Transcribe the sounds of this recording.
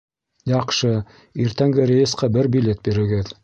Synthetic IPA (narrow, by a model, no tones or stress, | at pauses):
jɑqʃɤ | iɾt̪æŋɡɘɾʲejɘst̪qɑbɘɾbʲilʲe̞t̪̚biɾɘ̆ɡɘð